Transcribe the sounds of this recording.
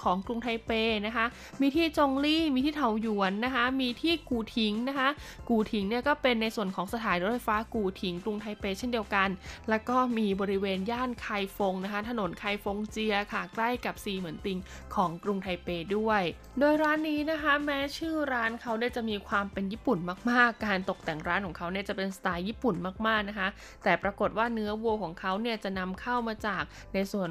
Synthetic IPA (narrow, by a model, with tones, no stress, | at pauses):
kʰɔː˩˦ŋkɾu˧ŋt̪ʰa˧jpeː˧na˦˥kʰa˦˥ʔ | miː˧t̪ʰiː˥˩t͡ɕo˧ŋliː˥˩miː˧t̪ʰiː˥˩t̪ʰa˨˩˦wju˨˩˦ənːa˦˥kʰa˦˥miː˧t̪ʰiː˥˩kuː˨˩t̪ʰi˩˦ŋna˦˥kʰa˦˥ | kuː˨˩t̪ʰi˩˦ŋni˥˩ɐkɔː˥˩pe˧nːa˧jsu˨˩ənkʰɔː˩˦ŋsa˧t̪ʰaː˩˦nɾo˦˥t̚fa˧jfaː˦˥kuː˨˩t̪ʰi˩˦ŋkɾu˧ŋt̪ʰa˧jpeː˧t͡ɕʰe˥˩ndi˧əwka˧nlɛː˦˥wkɔː˥˩miː˧bɔː˧ɾi˦˥weː˧njaː˥˩nkʰa˧jfo˧ŋna˦˥kʰa˦˥t̪ʰa˧no˩˦nkʰaː˧jfo˧ŋt͡ɕi˧ɐkʰa˧˨˩kla˥˩jka˨˩p̚siː˧mɯ˩˦ənt̪i˧ŋ | kʰɔː˩˦ŋkɾu˧ŋt̪ʰa˧jpeː˧du˥˩əj | doː˧jɾaː˦˥nːiː˦˥na˦˥kʰa˦˥mɛː˦˥t͡ɕʰɯː˥˩ɾaː˦˥nkʰa˦˥wni˥˩ət͡ɕa˨˩ʔmiː˧kʰwaː˧mpe˧njiː˥˩pu˨˩nmaː˥˩k̚maː˥˩kːaː˧nt̪o˨˩k̚t̪ɛ˨˩ŋɾaː˦˥nkʰɔː˩˦ŋkʰa˦˥wni˥˩ɐt͡ɕa˨˩pe˧nsḁ˧t̪aː˧jːiː˥˩pu˨˩nmaː˥˩k̚maː˥˩k̚na˦˥kʰa˦˥ | t̪ɛː˨˩pɾa˧ko˨˩t̪̚waː˥˩nɯ˦˥ɐwu˧əkʰɔː˩˦ŋkʰa˦˥wni˥˩ɐt͡ɕa˨˩na˧mkʰa˥˩wmaː˧t͡ɕaː˨˩k̚ | na˧jsu˨˩ən